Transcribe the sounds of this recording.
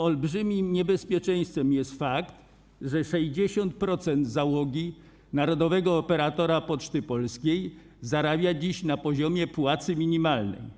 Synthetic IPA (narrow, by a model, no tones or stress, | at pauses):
ɔlbʐɘmʲimɲɛbɛspʲjɛt͡ʂɛj̃st̪fɛmjɛst̪fakt̪ | ʐɛʂɛʑd͡ʑeɕɔnt̪̚pɾɔt̪sɛnd̪zawɔɡʲi | naɾɔd̪ɔvɛɡɔːpɛɾat̪ɔɾapɔt͡ʂt̪ɘpɔlskʲej | zaɾabʲjad͡ʑiɕnapɔʑɔmʲjɛpwat̪sɘmʲiɲimalnɛ̰j